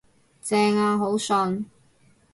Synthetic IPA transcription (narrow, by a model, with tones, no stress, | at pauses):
t͡sɛː˧ŋaː˧ɦo˨˥wsɔ˧n